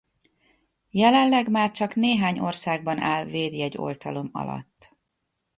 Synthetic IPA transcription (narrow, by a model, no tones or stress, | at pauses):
jɛlɛnlɛɡmaːrt͡ʃɒkneːɦaːɲo̞rsaːɡbɒnʔaːlveːd̪iɛɟːo̞̰lt̪ɒlo̞mɒ̰lɒ̰t̪ː